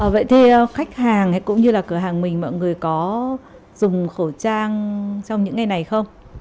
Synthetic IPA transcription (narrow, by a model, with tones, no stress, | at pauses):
ʔəː˨˩və̰˧˨jt̪ʰi˨˩ʔəː˧xa˦˥jk̟̚haː˨˩ŋɛ˨˦kʊ̰˧˥ŋ͡mɲɨ˧laː˨˩kɨ˧˩əɦaː˨˩ŋmï˨˩ŋ̟mɔ̰ː˧˨jŋɨ˨˩əjkɔ˨˦ | zʊ˨˩ŋ͡mxo˧˩t͡ɕaː˧ŋt͡ɕɔ˧wŋ͡mɲɨ̰˧˥ŋːa˨˩jna˨˩jxə˧wŋ͡m